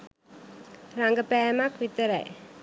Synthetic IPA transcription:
raŋɡəpæːmakʋit̪əɾɐ̰j

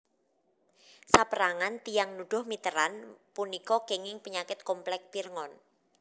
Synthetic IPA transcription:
sapəɾaŋant̪ijaŋnuɖ̥ʊ̤hmit̪əɾanpunikɔkeŋɪŋpəɲakɪt̪̚kɔmplɛk̚pirŋɔn

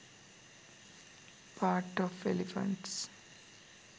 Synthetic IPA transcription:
pʰaːɾʈɔʋelɪfə̰̃ɳʈs

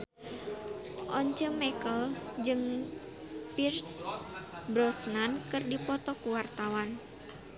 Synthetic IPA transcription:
ʔɔɲt͡ʃəmɛkəld͡ʒɨŋ | pirs | bɾɔsnankɨrdipɔt̪ɔkuwart̪awan

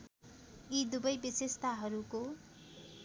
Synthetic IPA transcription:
id̪ubʌjbisest̪ʰaɦʌɾuko

